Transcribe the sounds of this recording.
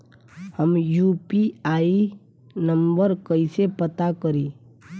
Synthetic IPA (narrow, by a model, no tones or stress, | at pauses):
həmjupiaːi | nəmbəɾkəɪsepət̪akəɾi